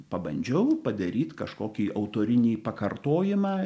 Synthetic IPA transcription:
pɐbɐ̰nʲd͡ʒʲɛʊpɐd̪ɐɾʲiːt̪kɐʃkoːkʲiːʔɐʊt̪oːɾʲɪnʲiːpɐkɐrt̪oːjɪmɑː

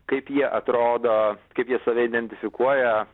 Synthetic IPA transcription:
kɐɪpjiɛʔɐt̪ɾoːd̪oːkɐɪpjiɛsɐʋʲɛɪd̪ʲɛnʲt̪ʲɪfʲɪkuɔjɛ

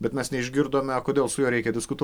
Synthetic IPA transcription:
bʲɛt̪mʲɛsnʲɛɪʒʲɡʲɪɾd̪oːmʲɛɐkoːd̪ʲeːlˠsʊjoːɾʲɛɪkʲɛd̪ʲɪskʊt̪u

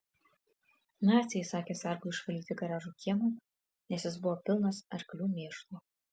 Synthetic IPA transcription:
nɑːt̪sʲɪjɛsɑːkʲeːsɛɾkuɪʃfʲɐlʲiːt̪ʲɪɡɐɾɑːʒuːkʲiɛmoː | nʲɛsʲjɪsbʊʋoːpʲɪlˠnɐsɐɾklʲuːmʲeːʃlˠo

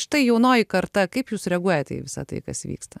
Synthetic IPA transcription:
ʃɪ̥t̪ɐɪjɛʊnoːjikɐrt̪ɐkɐɪpjuːsɾʲɛɡuɔjɛt̪ʲɛ̰ʋʲɪsɐ̰t̪ɐ̰ɪkɐsʋʲḭːkst̪ɐ

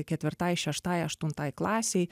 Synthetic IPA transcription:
kʲɛt̪ʲʋʲɪɾt̪ɑːjʃʲɛʃt̪ɑːjɐʃt̪ʊnt̪ɑːjklˠɑːsʲɛj

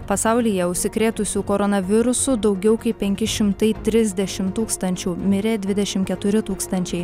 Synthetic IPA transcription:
pɐsɐʊlʲijɛʊʃʲsʲɪkɾʲeːt̪ʊsʲuːkoɾɔnɐʋʲɪɾʊsʊd̪ɒʊɡʲɛʊkɐɪppʲɛŋʲkʲɪʃʲɪmt̪ɐɪt̪ʲɾʲɪzʲd̪ʲɛʃʲɪmt̪uːkst̪ɐnʲt͡ʃʲuːmʲɪɾʲeːd̪ʲʋʲɪd̪ʲɛʃʲɪmkʲɛt̪ʊɾʲɪt̪uːkst̪ɐnʲt͡ʃʲɛɪ

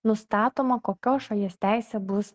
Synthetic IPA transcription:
nʊst̪ɑːt̪oːmɐkoːkʲoːʃɐlʲiɛsʲt̪ʲæˑɪsʲɛːbʊs

